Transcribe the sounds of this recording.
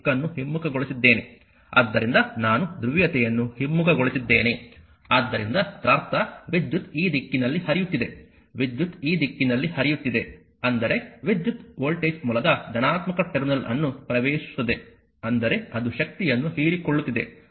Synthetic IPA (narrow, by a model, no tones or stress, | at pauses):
kːɐnːuɦimːukɐɡoɭisid̪ːe̞ːne̞ | ɐ̰d̪ːɐɾind̪ɐnaːnud̪ɾuʋjɐt̪ɛjɐnːuhimːukɐɡoɭisid̪ːe̞ːne̞ | aːd̪ːɐɾind̪ɐt̪ɾɐːɾt̪ɐʋid̪jut̪iːd̪ikːinɐlːihɐɾijut̪ːid̪e̞ | ʋid̪jut̪iːd̪ikːinɐlːihɐɾijut̪ːid̪e̞ | ɐnd̪ɐɾe̞ʋid̪jut̪oːlʈeːsmuːlɐd̪ɐd͡ʒ̪ɐnaːt̪mɐkɐʈeɾnɐlɐ̰nːupɾɐʋeːʃu̥t̪ːɐd̪e | ɐnd̪ɐɾe̞ɐd̪uʃɐk̚t̪ijɐnːuɦiːɾikoɭːut̪ːid̪e̞̰